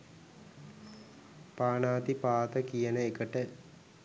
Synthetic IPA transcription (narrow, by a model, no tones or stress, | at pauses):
paːnaːt̪ipaːt̪əkijənəekəʈə